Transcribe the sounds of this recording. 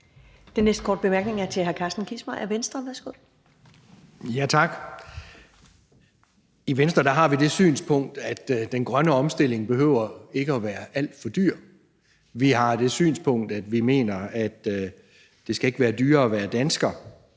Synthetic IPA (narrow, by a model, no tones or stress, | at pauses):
d̥enːesd̥kʰɒːd̥̚b̥e̝mæɐɡ̥ne̝ŋæɐt͡sʰe̝ɦæɐkʰɑsd̥n̩kʰismɐʔæɐʋensd̥ʁɐʋæɐsɡ̥oð̰ˠ | jæt͡sʰɑ̈ɡ̥ | iʋensd̥ʁɐd̥æɦɑ̈ʋid̥e̝sy̰ːnspʰɔ̽ŋ̰d̥æd̥d̥enɡ̥ʁɶnəɒ̽msd̥e̝l̰e̝ŋb̥e̝ɦøʊ̰ɐe̝ɡ̥əɒʋæːɐæl̰d̥fɒd̥yɐ̰ | ʋiɦɑ̈d̥e̝sy̰ːnspʰɔ̽ŋ̰d̥æd̥ʋime̝̰ːnɐæd̥ː | e̝sɡ̥æe̝ɡ̥əʋæːɐd̥yːɐɒʋæːɐd̥ænsɡ̥ɐ